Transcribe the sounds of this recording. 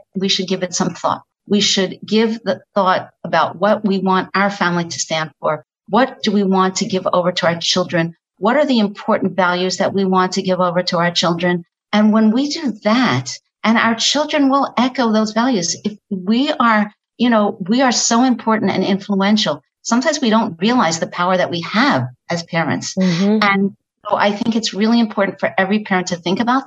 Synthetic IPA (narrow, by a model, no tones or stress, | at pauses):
wiʃɨd̚ɡɪvɨtsʌ̃mθɔ̰t̚ | wiʃɨd̚ɡɪvðɨθɔɾəbaʊʔ̚wʌʔ̚wiwɑ̃ntaʊə˞fæ̃mliɾɨ̥stæ̃nd̥fə˞ | wʌt̚d̥ɨwiwɑ̃ntʰɨɡɪvo̰ʊvə˞ɾəaʊə˞t͡ʃʰɪlˠdɹɨ̃n | wʌɾə˞ðiɨ̃mpʰɔɹʔn̩vælˠjʉzðɨʔ̚wiwɑ̃ntʰɨɡɪvoʊvə˞ɾəaʊə˞t͡ʃʰɪlˠdɹɨ̃n | ɨ̃nwə̃nwidɨðæt | ʔɨ̃na̰ʊə˞t͡ʃʰɪlˠdɹɨ̃nwɪlˠɛkoʊðoʊzvælˠjʉzɨfwiə˞ | jɨnoʊwiə˞soʊɨ̃mpʰɔɹʔn̩tɨ̰̃nɪ̃ɱfluɛ̃nʃl̩ˠ | sʌ̃mtʰãɪ̃mzwiɾõʊ̃nt̚ɹiəlaɪzðɨpʰaʊə˞ðɨʔ̚wiəvʔɨz̥pʰɛɹɨ̰̃ntsɨ̃n | oʊʔa̰ɪθɪ̃ŋkɨtsɹɪlˠiɨ̃mpʰɔɹʔn̩fə˞ʔɛvɹipʰɛɹɨ̃ntʰɨθɪ̃ŋkɨbaʊt̚